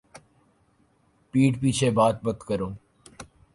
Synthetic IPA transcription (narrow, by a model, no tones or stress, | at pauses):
piːʈpiːt͡ʃʰebaːt̪̚bət̪kəɾoː